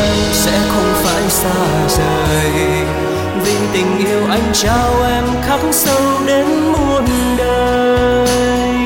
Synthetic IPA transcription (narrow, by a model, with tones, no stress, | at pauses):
sɛ̰˧˥xə˧wŋ͡mfa̰ː˧˩jsaː˧ | zəː˨˩ | vi˧ŋt̪ï˨˩ŋ̟ʔi˧əwʔa˧jŋ̟t͡ɕaː˧wʔɛ˧mxa˦˥ksə˧wɗe˨˦n | mo˨˩ət̚n | ɗəː˨˩ | j